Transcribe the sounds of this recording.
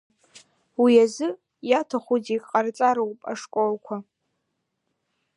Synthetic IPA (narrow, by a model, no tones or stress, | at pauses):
wiazɨ | jatʰaχʷuzikʼqʼart͡sʼaɾawpʼa̰ʂkʼolkʷʰa